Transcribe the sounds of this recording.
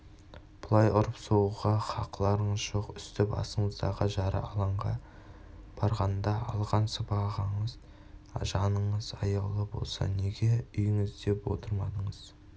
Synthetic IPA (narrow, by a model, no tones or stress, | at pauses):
b̥ʊlˠɑjʊɾəpsoʁɑχɑqlˠɑɾəɴəzʒo̞qʏst̪ɪpɑ̰səɴəzd̪ɑʁəʒɑɾə̰ʔɑlˠɑɴʁɑ̰ | b̥ɑɾʁɑnd̪ɑɑlˠʁɑnsəpɑʁəɴəz | ʒɑnəɴəzɑ̰jəʁlˠəbo̞̰lˠsɑ̰ne̞ɡʲe̞ʏjɪŋɪzd̪e̞pwo̞̰t̪ʰəɾmɑd̪əɴəz